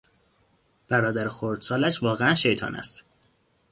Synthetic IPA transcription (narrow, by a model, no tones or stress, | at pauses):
b̥æɾɒːd̪æɾexoɾd̪sɒːlæʃvɒːɣeænʃe̞jt̪ʰɒ̰ːnæ̰st̪